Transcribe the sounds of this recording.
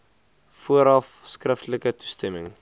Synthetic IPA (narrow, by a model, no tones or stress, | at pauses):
fuəɾɐf | skrəftələkətu̥stɛməŋ